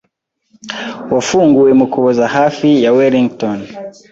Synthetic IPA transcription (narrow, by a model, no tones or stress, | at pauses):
wafuŋɡuwɛmukʰuwɔzahafijawɛliŋɡtɔn